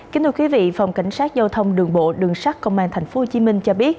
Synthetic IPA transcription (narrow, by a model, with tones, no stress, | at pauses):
ki˨˦nt̪ʰɨ˧kwi˨˦vḭ˧˨fa˨˩wŋ͡mka˧˩jŋ̟saː˦˥t̚zaː˧wt̪ʰə˧wŋ͡mɗɨ˨˩əŋɓo̰˧˨ɗɨ˨˩əŋsa˦˥t̚kə̰˧˨wŋ͡mʔaː˧nt̪ʰa˨˩ŋ̟fo˨˦ho˨˩t͡ɕi˨˦mï˧ŋ̟t͡ɕɔ˧ɓi˦˥ət̚